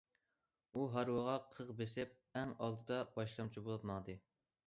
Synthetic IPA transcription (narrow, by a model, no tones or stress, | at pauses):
uɦɑɾwəʁɑqʰəʁbesɪp̚ɛŋɑlˠd̪ɨd̪ɑbɑʃlˠɑmt͡ʃʰibolˠɑt̪mɑŋd̪ɨ